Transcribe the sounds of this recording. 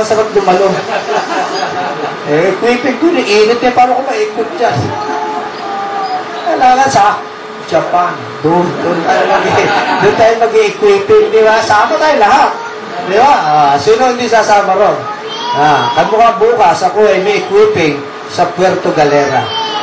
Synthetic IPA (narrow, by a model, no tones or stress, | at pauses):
ɐŋsɐpɐt̪̚d̪ʊmɐlo | ʔɛʔɪkwiːpɪŋd̪ʊnɪʔiːnɪt̪̚ɲapaːɾɐkomɐʔiːkwɪt̪̚d͡ʒa | kɐlaːlasɐ | d͡ʒɐpan | d̪ʊŋd̪ʊnt̪aːjomɐɡid̪ʊnt̪aːjoŋmɐɡiʔɪkwiːpɪŋd̪ɪbasaːmɐt̪aːjolɐɦat̪̚ | d̪ɪbaʔasiːnoɪnd̪isaːsaːmɐɾo | ʔakɐmʊkɐbuːkɐsʔɐko̞ʔɐjmɐʔɪkwiːpɪŋ | sɐpwɛɾt̪oɡɐlɛːɾa̰